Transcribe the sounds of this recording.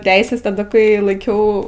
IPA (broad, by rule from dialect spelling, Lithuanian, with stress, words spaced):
ˈtʲɛɪsʲɛs tɐˈdɐ kɐɪ lˠɐɪˈkʲɛʊ